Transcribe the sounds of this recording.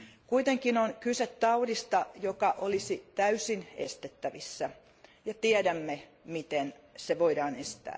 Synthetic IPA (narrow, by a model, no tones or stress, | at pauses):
kuit̪eŋkinonkyset̪tɑudist̪ɑjokɑʔolisit̪æysinḛst̪et̪ːæʋisːæ | jɑt̪iɛdæmːe | mit̪en | seʋoidɑːnest̪æ̰ː